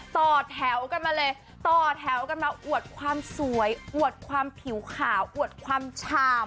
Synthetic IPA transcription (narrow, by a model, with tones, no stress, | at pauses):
t̪ɔː˨˩t̪ʰɛː˩˦wka˧nmaː˧lɤː˧j | t̪ɔː˨˩t̪ʰɛː˩˦wka˧nmaː˧ʔu˨˩ət̪̚kʰwaː˧msu˩˦əjʔu˨˩ət̪̚kʰwaː˧mpʰi˩˦wkʰaː˩˦wʔu˨˩ət̪̚kʰwaː˧mt͡ɕʰaː˧m